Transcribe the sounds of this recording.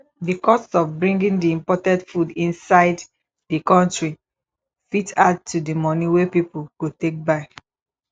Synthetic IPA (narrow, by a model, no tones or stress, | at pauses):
dikɔstɔvbɹĩŋɡĩŋdiĩmpɔtɛ̃ndfudĩnsaɪd | dikɔ̃ntɹi | fitad̚ʰudimɔ̃niwepipuɡotek̚baɪ